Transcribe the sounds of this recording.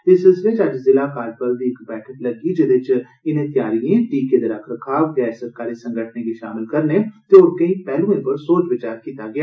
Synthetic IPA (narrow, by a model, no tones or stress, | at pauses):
ɪsɪsʋɪt͡ʃɐd͡ʒzɪlakaːd͡ʒ̚pɐɾbʱiekbɛːʈʰəʈlɐɡid͡ʒɪd̪ɪt͡ʃ | ɪnẽt̪jaːɾijẽʈiːked̪ɐɾaːkʰɾəkʰaːɡɛːssɐɾkaːɾisɐ̃ŋɡʱəʈʰnekiʃa̰ːmɪlkɐɾnet̪eʊɾkɐĩpɛːlũẽpɐɾsoːt͡ʃʋɪt͡ʃaːɾkiːt̪aɡɪjaː